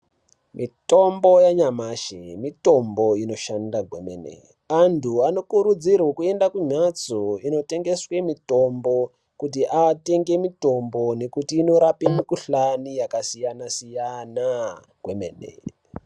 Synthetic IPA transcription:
mito̞mbo̞jaɲamaʃemito̞mbo̞ino̞ʃandaɡʱwemḛnḛ | antʰuano̞kuɾud͡zirwekue̞ndakuɲat͡soino̞te̞ŋɡe̞swe̞mito̞mbo̞ | kut̬iʔate̞ŋɡe̞mito̞mbo̞ne̞kutiːno̞ɾapemikuɬanijakasijanasijana | ɡ̥wemḛːnḛ

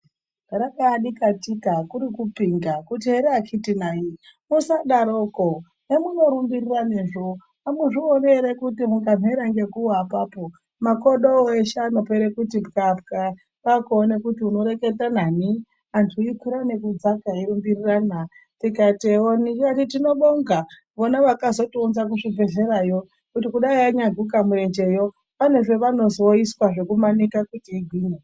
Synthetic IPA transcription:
ɾakaːɗikatikakuɾikupiŋɡakutiɦeɾeakʰitinaimusaɗaɾoːko | nemuno̞ɾumbiriraneʐo | amuʐioneɾekutimuŋɡam̤ʱeɾaŋɡe̞kuapaːpo | makoɗoeʃeːno̞peɾekut̬imukafka | ʋakuonekutiuno̞ɾe̞ketanani | antʰuikwiɾane̞kud͡zakaiɾumbirirana | tikatonikatitino̞ɓoŋɡa | ʋonaʋakazo̞tunzak̬uʐibʱe̞ɮe̞ɾajo̞ | kutikuɗaiaɲaɡʱukamue̞nd͡ʒe̞jo | paneʐe̞ʋano̞zoiswaʐe̞kumanikakutiːɡʱwiːɲe

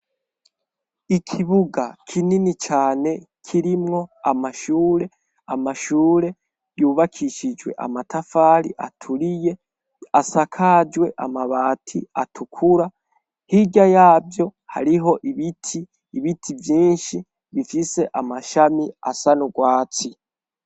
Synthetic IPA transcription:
ikʰiβuɡakʰininit͡ʃaːne̞kʰiɾimŋo̞amaʃuːɾe̞ | amaʃuːɾe̞ | juːβakʰiʃid͡ʒwe̞̰ʔa̰matʰafaːɾḭʔa̰tʰuɾije̞ | asakʰad͡ʒwe̞ʔamaβaːtʰia̰tʰukʰuɾa | hiɟajaːvjo̞ha̰ɾiɦo̞ʔiβitʰiː | βitʰivjiːnʃi | βifise̞ʔamaʃamia̰sanuɡwaːt͡si

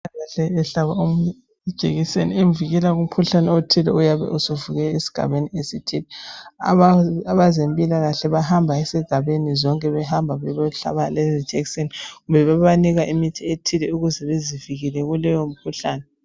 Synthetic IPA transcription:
aɣaɬɛːɬaβaomuɲɛ | d̥ʒ̥ʱeɣiseniemviɣɛlaɣum̩kʰuɬanɛotʰilɛujaβɛ̰ʔusuvuɣɛesi̥ɡ̥ʱa̰βeniesitʰilɛa̰aβazempʼilaɣaɬɛβahambʱaesiɡ̥ʱaβenizɔŋkʼɛβɛhambʱaβɛβɛɬa̰βalɛzi̥d͡ʒ̥ʱɛkseniɣumbʱɛβaβaniɣaʔimitʰietʰilɛuɣuzɛβeziviɣilɛɣulɛjom̩kʰuɬaːnɛ

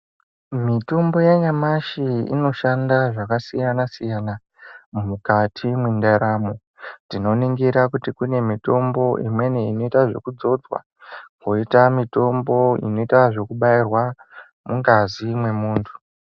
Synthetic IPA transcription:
mito̞mbo̞jeɲamaʃiḭno̞ʃandaʐakasijanasijana | mumukatʰimindeɾamo | tino̞niŋɡiɾakutikune̞mito̞mbo̞ʔimwe̞neino̞itaʐo̞̰kud͡zo̞d͡zwa̰ | ko̞itamito̞mbo̞ḭno̞itaʐo̞kuɓairwa | muŋɡazimwe̞muːntʰu̥

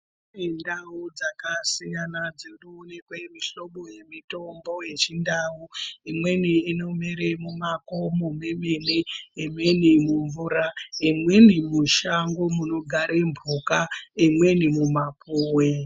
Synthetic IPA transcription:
indaud͡zakasijanad͡zirunekwemiɬo̞ɓoje̞mito̞mbo̞je̞t͡ʃindauimwe̞niːno̞meɾemumako̞mumemeneimwe̞nimuɱvuraimwe̞nimuʃaŋɡo̞muno̞ɡʱaɾembʱukaimwe̞nimumapuːwe

